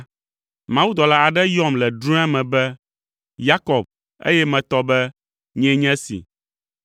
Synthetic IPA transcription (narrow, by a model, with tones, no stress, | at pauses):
mã˨wu˦d̪ɔ˨la˦a˨ɖɛ˦jɔ˦˨mlɛ˨ɖɾũ˦a˦mɛ̃˨bɛ˦ | ja˦kɔ˨b̚ | ḛ˦jɛ˦mɛ̃˨t̪ɔ˦bɛ˦ | ɲɛ̃˦ɲɛ̃˦sḭ˨